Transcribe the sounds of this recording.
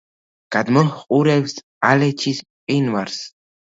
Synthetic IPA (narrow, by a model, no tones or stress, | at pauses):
ɡ̥ad̪mɔχʼuɾɛvs | alɛt͡ʃʰisqʼinvaɾs